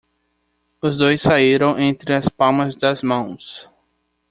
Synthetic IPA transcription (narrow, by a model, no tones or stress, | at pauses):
ʊzd̪ojsːaiɾɐ̃w̃ʔẽnt̪ɾɪɐspawmɐzd̪ɐzmɐ̃w̃s